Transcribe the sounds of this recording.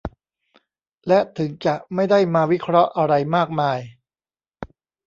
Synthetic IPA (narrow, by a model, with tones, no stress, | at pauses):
lɛ˦˥ʔt̪ʰɯ˩˦ŋt͡ɕa˨˩ʔma˥˩jda˥˩jmaː˧wi˦˥kʰɾɔ˦˥ʔa˧ɾa˧jmaː˥˩k̚maː˧j